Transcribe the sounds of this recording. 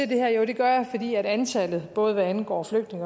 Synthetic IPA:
ed̥e̝hæɐ̰jod̥e̝ɡ̥ɶɐjɐfɒ̽d̥ḭːæɾ̥ænt͡sʰælð̞̩ˠb̥ɔ̽ːð̞̩ˠʋæænɡ̥ɒ̰ːfløɡ̥d̥ne̝ŋɐ

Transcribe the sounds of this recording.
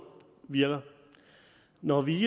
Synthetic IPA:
ʋiɐɡ̥ɐ | nɒʋi

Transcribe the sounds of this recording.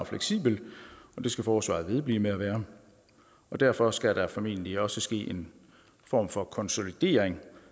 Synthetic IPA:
ɒfleɡ̥sḭːb̥l̩ɒ̽d̥e̝sɡ̥æfɒːsʋɑ̰̈ðˠʋe̝ð̞ˠbliːmeæʋæːɐ | ɒ̽d̥æɐ̰fɒ̽sɡ̥æɾ̥ɑ̈fɒ̽me̝̰ːnliɒ̽səsɡ̥e̝̰ːʔe̝n | fɒ̰ːmfɒ̽kʰɒ̽nso̝lid̥e̝̰ːɐeŋ

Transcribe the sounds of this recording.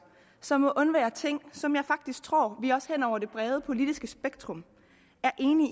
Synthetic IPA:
sɒ̽mɔ̽ʔɔ̽nʋɛːɐt͡sʰe̝ŋ̰sɒ̽mjɑ̈ɪfɑ̈ɡ̥d̥isɡ̥̚t͡sʰʁo̝̰ɐ̰ʋiɒ̽shen̰ɒʊ̰ɐd̥e̝b̥ʁɛːð̞ˠəpʰo̝lid̥isɡ̥əsb̥eɡ̥̚d̥ʁɔ̽m | æɐʔe̝ːni

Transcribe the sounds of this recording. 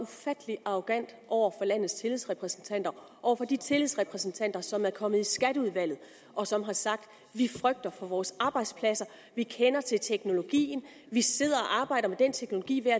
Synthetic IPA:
ufæd̥əliɑ̈ʁoɡ̥æn̰d̥ʔɒʊ̰ɐfɒ̽læn̰ð̩ˠst͡sʰe̝liðˠsʁɛpʰʁɛsn̩t͡sʰæn̰d̥ɐ | ʔɒʊ̰ɐfɒ̽d̥it͡sʰe̝liðˠsʁɛpʰʁɛsn̩t͡sʰæn̰d̥ɐsɒ̽mæɐkʰɒ̽mð̩ˠisɡ̥æɾəuð̞ˠʋæl̰ð̩ˠ | ʔɒ̽sɒ̽mɦɑ̈sɑ̈ɡ̥̚d̥ | ʋifʁœɡ̥̚d̥ɐfɒ̽ʋɒːsɑ̈ːb̥ɑ̈ɪd̥spʰlæsɐ | ʋikʰenɐt͡sʰe̝lt͡sʰeɡ̥no̝lo̝ɡ̥ḭːn̩ | ʋise̝ð̞̰ˠɐɒ̽ʔɑ̈ːb̥ɑ̈ɪ̰ɾ̥ɐmed̥en̰t͡sʰeɡ̥no̝lo̝ɡ̥ḭːʋeæ

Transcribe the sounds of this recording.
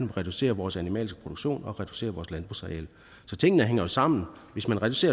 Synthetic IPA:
ʁɛd̥use̝̰ːɐʋɒːsænimɛ̰ːlisɡ̥ə̥pʰʁo̝̥oɡ̥ɕo̝̰ːnɒ̽ʁɛd̥u̥se̝̰ːɐʋɒːslænb̥ʁṵsʁɛḛl | sɒ̽t͡sʰe̝ŋ̰ənəɦeŋ̰ɐjo̝sɑ̈m̰n̩ʋe̝smænʁɛd̥use̝̰ːɐ

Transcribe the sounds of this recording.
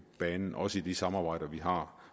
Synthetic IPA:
b̥ɛːnn̩ʔɒ̽səid̥isɑ̈mɑ̈ːb̥ɑ̈ɪ̰d̥ɐʋiɦɑ̈

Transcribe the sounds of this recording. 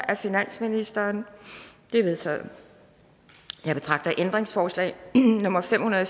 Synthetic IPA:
ʔæfinæn̰sminisd̥ɐːnd̥e̝ʋe̝ðˠt͡sʰɛ̰ðˠ | jɑ̈ɪb̥e̝t͡sʰʁɑ̈ɡ̥d̥ɐʔend̥ʁeŋsfɒːslɛ̰ɪnɔ̽mɐfem̰hunɐðˠ

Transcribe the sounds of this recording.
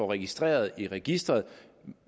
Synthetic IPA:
ɒʁɛɡ̥isd̥ʁḛːɐð̞̩ˠiʁɛɡ̥isd̥ʁɐðˠ

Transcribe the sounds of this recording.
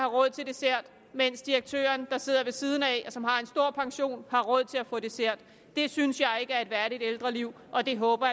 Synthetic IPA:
ɑ̈ʁɔ̽ð̰ˠt͡sʰe̝ld̥e̝seɐ̰d̥ | men̰sd̥iʁɐɡ̥̚t͡sʰø̰ːɐnd̥ɑ̈se̝ð̞̰ˠɐʋe̝siːð̞ˠn̩ɛsɒ̽mɦɑ̈e̝nsd̥o̝ɐ̰pʰɑ̈ŋɕo̝̰ːnhɑ̈ʁɔ̽ð̞̰ˠt͡sʰe̝læfɔ̽ːd̥e̝seɐ̰d̥ | d̥e̝synsjɑ̈ɪe̝ɡ̥əæɐe̝dʋæɐɾid̥eld̥ʁɐliʊ̰ | ʔɒ̽d̥e̝ɦɔ̽ːb̥ɐ

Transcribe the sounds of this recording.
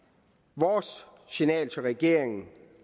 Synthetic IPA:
ʋɒːs | sinɛ̰ːlt͡sʰɒʁɛɡ̥e̝ɐ̰e̝ŋn̩

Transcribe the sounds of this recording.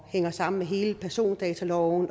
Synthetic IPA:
heŋ̰ɐsɑ̈m̰n̩meɦe̝ːləpʰæɐso̝̰ːnd̥ɛːt͡sʰælɒʊn

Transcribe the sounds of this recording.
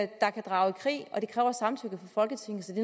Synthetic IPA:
d̥ɑ̈kʰæd̥ʁɑ̈ʊikʰʁḭːɒ̽d̥e̝kʰʁɛːʊɐsɑ̈mt͡sʰøɡ̥ðˠfɒ̽fɒ̽lɡ̥ət͡sʰe̝ŋ̩ˠsɒ̽d̥e̝

